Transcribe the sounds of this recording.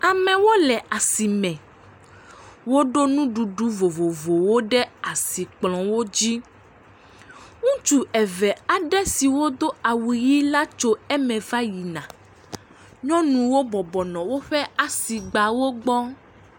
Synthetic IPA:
a˨mɛ̃˨wo˦lɛ˨ʔa˨si˨mɛ̃˨ | wo˦ɖo˦nũ˦ɖu˨ɖu˦vo˨vo˨vo˨wo˦ɖɛ˦a˨si˨k͡plɔ̃˨wo˦d͡ʑi˦ | ŋũ˦t͡ʃu˦ɛ˨vɛ˨a˨ɖɛ˦si˨wo˦d̪o˦a˨wu˨ji˦la˦t͡ʃo˦ɛ˦mɛ̃˨va˦ji˨nã˨ | ɲɔ̃˦nũ˨wo˦bɔ˨bɔ˨nɔ̃˨wo˦ɸɛ˦a˨si˨ɡ͡ba˨wo˦ɡ͡bɔ˦

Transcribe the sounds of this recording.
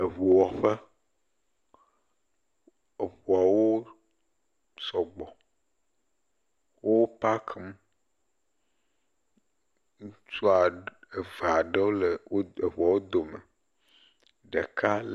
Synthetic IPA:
e˨βu˨wɔ˨ɸɛ˦ | e˨ɸu˨a˨wo˦ | sɔ˨ɡ͡bɔ˨ | wʔo˦pa˦kʰe˦m˦ | ŋũ˦t͡ʃu˦a˨e˨va˨ɖe˦wo˦le˨o˦e˨βu˨a˨wo˦d̪o˨me˨ | ɖe˨kʰa˦l

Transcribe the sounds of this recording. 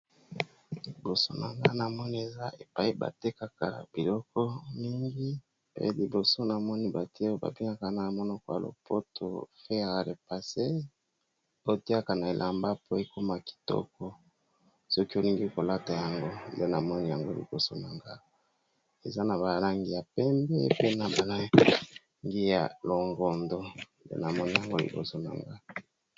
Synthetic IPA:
li˨bo˨so˦na˨ŋɡa˦na˨mɔ˦ni˦e˨za˦ʔe˨pa˨i˦ba̰˨te˦ka˨ka̰˨bi˨lɔ˦kɔ˦mi˦ŋɡi˦ | pḛ˦li˨bo˨so˦na˨mɔ˦ni˦ba˨ti˦e˦o˦ba̰˨bi˦ŋa˨ka˨na˨mɔ˦no˦ko˨˦a̰˨lo̰˨pʰo˦tʰo̰˨fe˦a˨a˨le˨pa˨se˦ | ti˦a˦ka˨na˨e˨lʔa˨mba˦po˦e˨˦ko˦ma˨ki̥˨tɔ̰˦kɔ˦ | sɔ˦ki˦o˦li˦ŋɡi˦ko˨la˦ta˨ja˨ŋɡo˦˨de˦na˨mɔ˦ni˦ja˨ŋɡo˦lḭ˨bo˦so̰˨na˨ŋɡa˦˨ | e˨za˦na˨ba˨la˦ŋɡi˦ja˨pɛ˦mbɛ˦pe˦na˨ba˨la˦ | ŋɡi˦ja̰˨lo˨ŋɡɔ˨ndo˨ | dḛ˦na˨mɔ˦ni˦ja˨ŋɡo˦lḭ˨bo̰˦so˨na̰˨ŋɡa˦˨

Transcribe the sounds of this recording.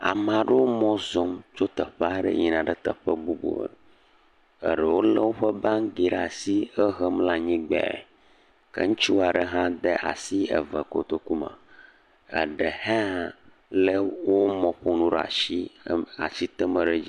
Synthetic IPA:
a̰˨m˨ã˨ɖə˦wo˦mɔ̃˦zɔ˨mt͡ʃo˦t̪ə˨ɸa˦ɖə̰˦ɲi˨nã˨ɖə˦t̪ə˨ɸə˦ɡ͡bu˦ɡ͡bo̰˨ə̰˨ | ə̰˨ɖə˨wo˦lə˦wo˦ɸə˦bã˦ŋɡi˨ɖɛ˦a˨si˦ə˦ɦə˦mla˦ɲĩ˦ɡ͡bɛ̰˨ | kə̰˦ŋũ˦t͡ɕi˦wo˦a˨ɖə˦ɦã˦d̪ə˦ʔa̰˨si˦ə̰˨və˨ko̰˨t̪o˦ku˦mã̰˨ | ə̰˨ɖə˨hɛ˦a˨ | lə˦wo˦mɔ̃˨ɸo˦nũ˦ɖə˨a̰˨ʃi˦a̰˨t͡ɕi˦t̪ə˦mə˨ɖə˦d͡ʑi˦

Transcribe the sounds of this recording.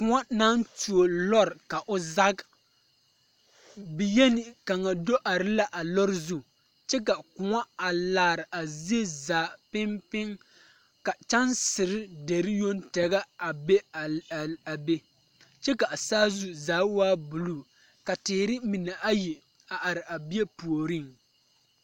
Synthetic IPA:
kʊ˨ŋa˦na˦ntu˨o˨lɔ˦ɾka˨ʔʊ˦za˦ɡ | bɪ˨jɛ˦nɪ˨ka˨ŋa˨do˦ʔa˨ɾɪ˦la˦ʔa˨lɔ˦ɾɪ˦zu˦ | t͡ʃɛ˦k̬a˨kʊ˨ŋa˦a˨laː˨ɾɪ˨ʔa˨zi˦e˦zaː˨˦pɪ˦mpɪ˦ŋ | ka˨t͡ʃa˦nsɪ˨ɾɪ˦de˨ɾɪ˦jo˦ntɛ˨ɡa˦a˨be˦˨a˨be˦ | t͡ʃɛ˦ka˨ʔsaː˦zu˨zaː˨˦waː˦bu˨lu˦˨ | ka˨tɪː˨ɾɪ˦mɪ˨nɛ˨ʔa˦ji˨ | a˨ʔa˨ɾɪ˨ʔa˨bi˦e˦pu˨o˨ɾi˦˨ŋ

